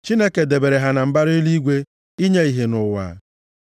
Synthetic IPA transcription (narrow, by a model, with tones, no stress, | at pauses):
t͡ʃi˦ne˦ke˨de˨be˨ɾe˨ɦa˨na˨m̩˦ba˦ɾʊ˦i˦li˦ɡʷe˦ | i˦ɲe˦i˨ɦe˨nʊ˨wa̰ː˨